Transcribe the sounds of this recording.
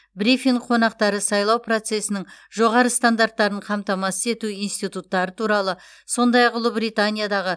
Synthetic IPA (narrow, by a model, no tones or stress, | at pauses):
bɾifiɴqʰo̞nɑqt̪ɑɾəsɑjlˠɑwpro̞t̪se̞sɪnɪŋʒo̞ʁɑɾəst̪and̪aɾt̪ːɑɾəɴqʰɑmt̪ɑmɑsəze̞t̪uijnst̪ijt̪ut̪ːɑɾət̪ʰuɾɑlˠə | so̞nd̪ɑjɑqʊlˠəbɾijt̪anʲijad̪ɑʁə